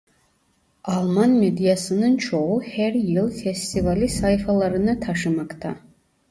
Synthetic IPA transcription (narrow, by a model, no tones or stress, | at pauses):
almanmedijasɨnɨnt͡ʃʰowħerjɪlfestʰivalisajfalaɾɨnɨtʰaʂɨmakʼtʰa̰